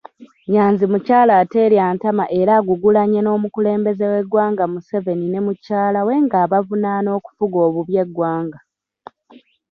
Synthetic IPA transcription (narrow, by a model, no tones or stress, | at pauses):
ɲaːnzimucaːlaːte̞ːljaːntamaʔe̞ɾaːɡuɡulaɲeno̞ːmukule̞ːmbe̞zewe̞ɡwaːŋɡamuse̞ve̞nine̞mucaːlawe̞ŋɡaːβavunaːno̞ːku̥fuɡo̞ːβuβje̞ɡwaːŋɡa